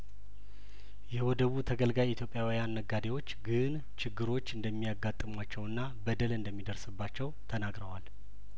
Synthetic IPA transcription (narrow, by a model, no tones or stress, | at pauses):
jɛwɔd̪əβut̪ʰəɡəlɡajit̪ʰjopʼjawijanːəɡad̪ewo̞t͡ʃːɡɨn | t͡ʃɪɡːɨɾo̞t͡ʃːɨnd̪əmːijaɡːat̪ʼːɨmwat͡ʃːɛwɨnːa | bəd̪əlɨnd̪əmːid̪əɾsɨbːat͡ʃːɛwt̪ʰənaɡɾəwal